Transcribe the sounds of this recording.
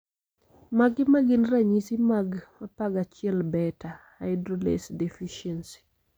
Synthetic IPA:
maɡɪmaɡinɾaɲisimaɡmapaɡat͡ʃɪɛlbɛtaha̰jdɾolḛsdɛfiʃɛnsi̥

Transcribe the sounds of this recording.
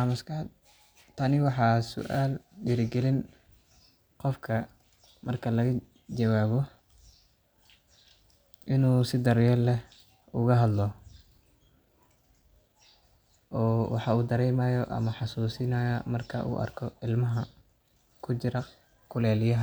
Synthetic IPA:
amɐskʰɑd̪ | t̪ʰɐnɪwɑħɑːsʊ̰ʔaːlɖɪɾɪɡɛlɪn | qɔfkʰɐ | mɐrkʰɐlɐɣɐ | d͡ʒɐwaːβɔ | ʔɪnuːsɪd̪ɐɾjɛlɛ | ʊɣɐɦɐd̪lɔ | ʔɔːwɑ̰ħɑuːd̪ɐɾɛjmaːjɔʔɐ̰mɐħɑsuːsɪnɐjɐmɐrkʰɐ̰ʔṵːʔɐ̰rkʰɔɪlmɐɦɐ | kʰʊt͡ʃɪɾɐ | kʰʊlɛːlɪjɐɦ

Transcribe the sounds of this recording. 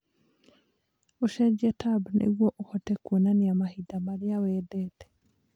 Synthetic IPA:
oʃɛd͡ʒɛtabnʔḛɣwɔʔohɔtɛkwonaniamahidamaɾiawɛːdɛtɛ̥

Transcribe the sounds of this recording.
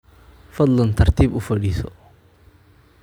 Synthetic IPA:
fɐd̪lɐnt̪ʰɐrt̪ʰiːbʊfɐɖiːsɔ

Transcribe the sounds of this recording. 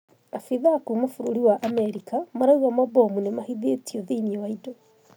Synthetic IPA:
afiðakumofuɾoɾiwaʔamɛɾikamaɾauwamabomunemahiðetioðemiɔwaido

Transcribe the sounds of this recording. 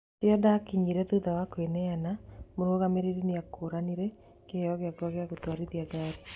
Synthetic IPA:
eɔdakiɲiɾɛðuðawakoenɛanamoɾoɣameɾeɾineakoɾaniɾɛ | keɔɣeakwaɣeaɣotwaɾiðiaɡaɾi

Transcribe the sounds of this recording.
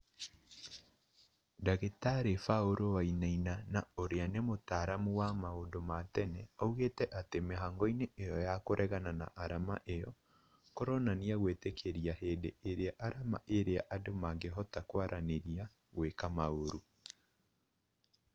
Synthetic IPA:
daɣetaɾefaoɾʔowainainanaoɾeanemotaːɾamuwamaondomatɛnɛauɣetɛʔatemeɦaŋɡɔineejɔjakoɾʔɛɣanana̰ʔaɾama̰ʔejɔ | kɔɾɔnaniaɣwetekʰeɾiaheːdeːɾeaʔaɾama̰ʔeɾeaʔadomaŋɡeɦɔtakwaɾʔaneɾia | ɣwekamaoɾu

